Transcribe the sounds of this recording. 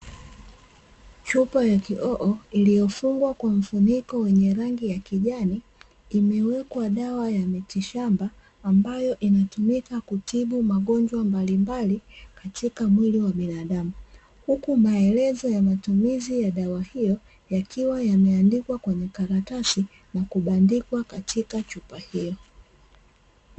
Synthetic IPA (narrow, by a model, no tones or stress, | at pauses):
t͡ʃupajakiʔɔʔɔilijɔfuŋɡwakwam̩funikɔwɛɲɛɾaŋɡijakiʄaniː | mɛwɛkwaɗawajamitiʃambaː | mbajɔʔinatumikakutʰiɓumaɠɔɲd͡ʒwambalimbalikatikamwiliwaɓinaɗamu | hukumaɛlɛzɔjamatumizijaɗawahijɔ | jakʰiwajamɛandikwakwɛɲɛkaɾatasi | nakuɓandikwakatʰikat͡ʃupahijɔ